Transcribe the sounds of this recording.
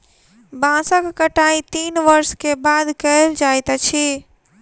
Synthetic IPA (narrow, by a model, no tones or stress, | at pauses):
bãsəkːəʈait̪iːnʋəɾskebad̪kəld͡ʒajt̪t͡ʃʰi